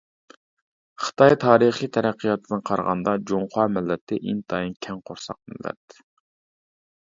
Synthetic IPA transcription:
χɨ̥t̪ʰɑjt̪ʰɑːɾɨχijt̪ʰɛɾæqʰːijɑt̪ʰːɨd̪ɨnqʰɑɾʁɑ̰nd̪ɑd͡ʒoŋχʰɑːmɪlːɛt̪ʰːɪʔint̪ʰɑjinkʲʰɛŋqʰoɾsɑ̰q̚mɪ̰lːɛ̰t̪

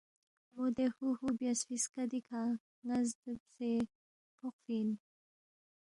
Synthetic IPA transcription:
mod̪exuhubjasfiskad̪ikʰa | ŋazd̪əbse | pʰoqfin

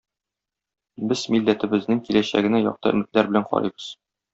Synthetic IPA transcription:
bɘz̥milːæt̪ɘ̆bɘ̆znɘŋkilæɕæ̰ɡɘ̆næjɒ̰q̚t̪ɤɘ̆mɘ̆t̪læɾbɘ̆læɴqɒ̰ɾɤ̰jbɤz̥

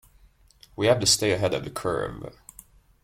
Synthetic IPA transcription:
wihæftɨsteɪɨɦɛɾʌvðɨkʰɜ̰˞v

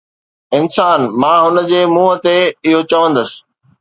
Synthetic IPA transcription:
ɪnsaːnmãːɦʊnəd͡ʑeːmuːɦə̆t̪eɪɦot͡ɕɐʋə̃nd̪əsɪ̥̆

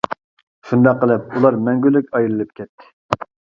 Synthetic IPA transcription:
ʃund̪ɑqːəlˠɨp̚ulˠɑɾmɛŋɡʲylːykʲɑjlɨlˠɨp̚kʲʰɛt̪ʰːɪ̥

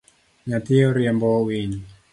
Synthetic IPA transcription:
ɲat̪iɔɾɛmbɔwiɲi

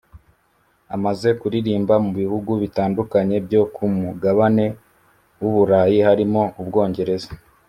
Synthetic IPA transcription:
amaze̞kuɾiɾiːmbamuβiβuɡuβitaːndukaɲe̞bjo̞kʰumuɡaβane̞ | wuβuɾaːjihaɾimo̞ubɡo̞ːɲɟe̞ɾe̞zḁ

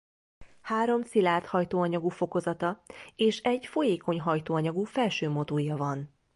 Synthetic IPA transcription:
haːɾo̞msilaːrt̪hɒjt̪oːɒɲɒɡufo̞ko̞zɒt̪ɒeːʃɛɟfo̞jeːko̞ɲɦɒjt̪oːɒɲɒɡufɛlʃøːmo̞t̪oːjɒvɒn

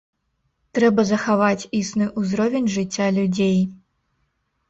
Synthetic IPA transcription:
t̪ɾɛbɐzɐxavat͡sʲisnɨʔuzɾɔvʲenʲʐɨt͡sʲːalʲud͡zʲej

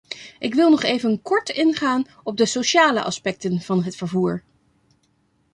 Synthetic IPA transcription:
ʔɪkʋɪlˠnɔχejvənkɔɹtɪnχaːn | ɔb̚dəsoʃaːlə̰ʔɑ̰spɛk̚tənv̥ɑnɦətfəɹvuːɹ

